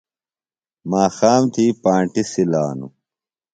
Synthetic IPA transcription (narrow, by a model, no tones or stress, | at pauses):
maːxaːmt̪iːpaːɳʈisilaːnṵ